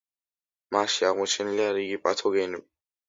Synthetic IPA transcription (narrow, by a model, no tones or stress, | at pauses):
maʃiaʁmɔt͡ʃʰɛniliaɾiɡipʼat̪ʰɔɡɛnɛbi